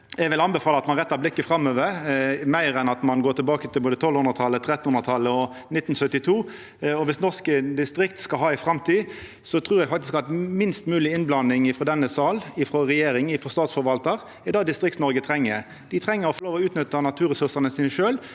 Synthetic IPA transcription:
ɛɡʋɪlɑnbɛfɑːləɑt̪mɑnʁɛt̪ːɑblɪkːəfɾɑmːøːʋəɾmæɪɾɛnɑt̪mɑnɡoːt̪ʰɪlbɑːkət̪ʰɪlboːd̪ət̪ʰɔlhʉnʁət̪ʰɑlːət̪ʰɾɛt̪nhʊnʁət̪ʰɑlːəɔ | nɪt̪ːn̩sœt̪ːɪt̪ʰuː | ɔʋɪsnɔʁskəd̪ɪst̪ɾɪk̚t̪skɑɦɑːɪfʁɑmt̪ʰiː | sɔt̪ʰʁuːɾjɛɡfɑkt̪ɪskɑt̪mɪnst̪mʉːlɪɪnblɑnːɪŋɪfɾɔd̪ɛnːəsɑːlɪfɾɔʁɛjeːɾɪŋɪfɾɔst̪ɑːt̪sfɔʋɑlt̪əʁ | ɪd̪ɑːd̪ɪst̪ʁɪkt̪snɔɾɡət̪ʰɾɛŋːəɾ | d̪ɪt̪ʰɾɛŋːəɾɔfɔloːʋɔʉːt̪nʏt̪ːənɑt̪ʰʉːɾɛsʉʁsənəsiːnəʃøːl

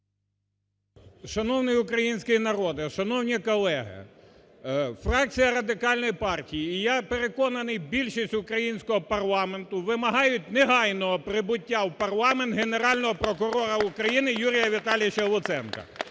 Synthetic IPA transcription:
ʃɐnɔwnɪjʊkɾɐjinʲsʲkɪjinɐɾɔd̪ɪʃɐnɔwnʲikɔlˠɛɦɪ̰ | frɑk̚t͡sʲijɐɾɐd̪ɪkɑlʲnɔjpɑrtʲijiːjapeɾekɔnɐnɪjbʲilʲʃisʲtʲʊkɾɐjinʲsʲkɔɦɔpɐrlˠɑme̞nt̪ʊʋɪmɐɦɑjʊtʲneɦɑjnɔɦɔpɾɪbʊtʲːawpɐrlˠɑment̪ɦeneɾɑlʲnɔɦɔpɾɔkʊɾɔɾɐʊkɾɐjinɪjuɾʲijɐʋʲit̪ɑlʲijɪt͡ʃɐlˠʊt̪sɛnkɐ̰

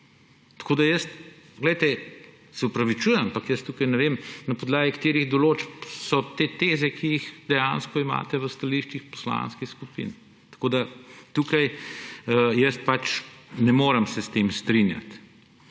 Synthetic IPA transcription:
t̪ɐ̥kod̪ajəst̪ | ɡlɛjt̪ɛ | sɛupɾɐʋit͡ʃuːjɛmampakjəst̪uːkajnɛʋemnɐpɔd̪laːɡikḁt̪eːɾiɣd̪ɔloːt͡ʃpsɔt̪et̪eːzɛkʰijixd̪ɛjanskɔima̰ːt̪ɛʋəst̪aliʃt͡ʃixpɔ̥sla̰ːnskixskupḭn | t̪ɐ̥kod̪at̪uːkɐj | jəst̪̚pat͡ʃnɛmoːɾəmsɛst̪emst̪ɾinja̰t̪

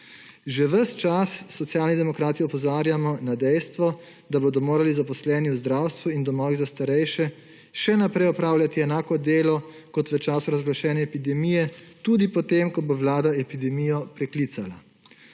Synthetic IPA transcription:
ʒɛʋəst͡ʃasːɔt̪sjaːlnid̪ɛmɔkɾaːt̪iɔpɔzaːɾjamɔnad̪ɛjst̪ʋɔ | d̪aboːd̪ɔmoːɾalizapɔslɛːniwzd̪ɾawst̪ʋuind̪ɔmɔːʋizast̪aɾɛjʃɛ | ʃɛnapɾɛjɔpɾaːwljat̪iɛnaːkɔd̪eːlɔ | kɔt̪ʋət͡ʃaːsuɾazɡlaʃɛːnjɛːpid̪ɛmijɛt̪ud̪ipɔt̪emkɔboʋlaːd̪aɛpid̪ɛmijɔpɾɛklit̪sala

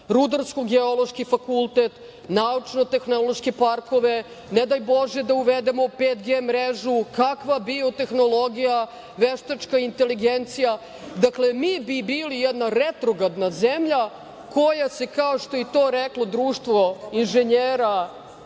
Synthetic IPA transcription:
ɾud̪aɾskoɡeolˠo̞ʃkifakulˠt̪et̪ | naut͡ʂno̞t̪exno̞lˠoʃkepaɾko̞ʋe | ned̪ajbo̞ʒed̪auʋed̪emo̞peːt̪ɡeːmɾeʒukakʋabiot̪exno̞lˠo̞ɡija | ʋeʃt̪at͡ʃkaint̪eliɡent̪sija | d̪aklemiːbibiːlijɛd̪naɾet̪ɾoɡad̪nazemʎa | kojasekaoʃt̪oit̪o̞ːɾeklˠo̞d̪ɾuːʃt̪ʋoinʒeɲeːɾa

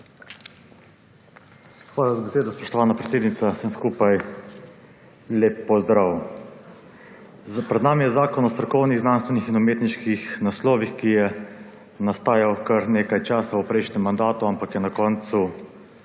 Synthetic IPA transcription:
xʋaːlazabɛseːd̪ɔspɔʃt̪ɔʋaːnapɾɛt̪eːd̪nit̪sasəmskuːpaj | leːpːɔzd̪ɾaːw | pɾɛd̪naːmijɛzaːkɔnɔst̪ɾɔkɔwniɣznanst̪ʋɛnixinɔmeːt̪niʃkixnaslɔːʋixkijɛ | nast̪aːjawkaɾneːkajt͡ʃaːsaupɾɛjʃnɛmːand̪aːt̪uampakjɛnakɔːnt̪su

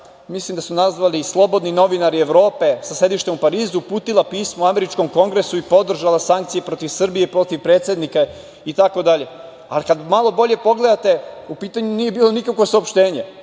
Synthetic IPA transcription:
mislˠimd̪asunazʋalislˠo̞bo̞d̪nino̞ʋinaɾieʋɾo̞ːpe̞sase̞d̪iʃt̪emupaɾiːzupuːt̪ilˠapiːsmouame̞ɾit͡ʃko̞mko̞ŋɡɾe̞suipo̞d̪r̩ʒalasaŋkt̪sijepɾo̞t̪iʋsr̩bijepɾo̞t̪iʋpɾe̞ːt̪sje̞d̪nika | it̪ako̞d̪aʎe̞ | alikad̪malˠo̞bo̞ʎe̞po̞ɡle̞d̪at̪e̞upiːt̪aɲunije̞biːlˠo̞nikakʋo̞saopʃt̪e̞ːɲe̞

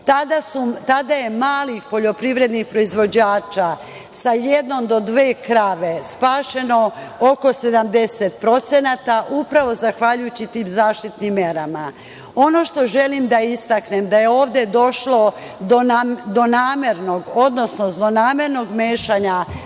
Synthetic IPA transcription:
t̪ad̪asut̪ad̪aje̞maːlixpo̞ʎo̞pɾiʋɾe̞d̪nixpɾo̞izʋo̞d͡ʑaːt͡ʃa | sajed̪no̞md̪o̞d̪ʋe̞ːkɾaʋe̞spaːʃe̞no̞oko̞se̞d̪amd̪e̞set̪pɾo̞t̪senaːt̪aʔupɾaʋo̞zaxʋaʎujut͡ɕit̪iːmzaːʃt̪it̪nimːje̞ɾama | o̞no̞ʃt̪o̞ʒe̞limd̪aist̪akne̞md̪aje̞o̞ːʋd̪e̞d̪o̞ʃlo̞ | d̪onad̪o̞naːmeɾno̞ɡo̞d̪no̞snozlonaːme̞ɾno̞ɡmeːʃaɲa

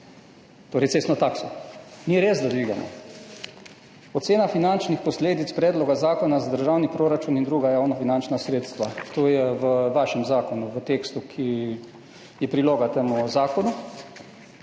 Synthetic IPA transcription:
t̪oːɾɛjtseːst̪nɔt̪aːksɔniɾeːzd̪ad̪ʋiːɡa̰mɔ̰ | ɔt̪seːnafinant͡ʃnixpɔsleːd̪it̪spɾɛːd̪lɔɡazaːkɔnazad̪əɾʒawnipɾoːɾat͡ʃunind̪ɾuːɡajawnafinant͡ʃnasɾeːt̪st̪ʋat̪oːjɛʋəʋaːʃɛmzaːkɔnuʋət̪eːkst̪ukʰi | jɛpɾiloːɡat̪eːmuzaːkɔnu

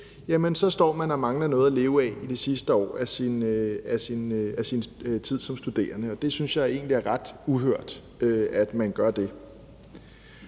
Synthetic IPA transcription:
jæmənsɒ̽sd̥ɒ̰ːmænɒmɑ̈ŋlɐnɔ̽ːð̩ˠæle̝ːʊəɛid̥e̝sisd̥əɒ̰ːæsinæsinæsint͡sʰið̞̰ˠsɒ̽msd̥ud̥e̝̰ːɐnəɒ̽d̥e̝synsjɑ̈ɪe̝̰ːnliæɐʁɑ̈d̥uɦøɐ̰d̥ | øæd̥mænɡ̥ɶɐd̥e̝

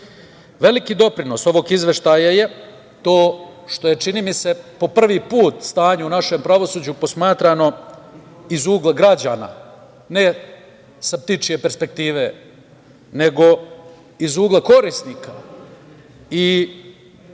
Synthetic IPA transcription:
ʋe̞likid̪o̞pɾino̞so̞ʋo̞ɡizʋe̞ʃt̪ajaje̞ | t̪o̞ːʃt̪o̞je̞t͡ʃinimise̞po̞pr̩ʋipuːt̪st̪aːɲaunaʃe̞mpɾaʋo̞suːd͡ʑupo̞smaːt̪ɾano̞ | izuːɡlˠaɡɾad͡ʑaːna̰ | ne̞ | sap̚t̪it͡ʃije̞pe̞ɾspe̞k̚t̪iːʋe̞ | ne̞ɡo̞ | izuːɡlˠako̞ɾisnika | i

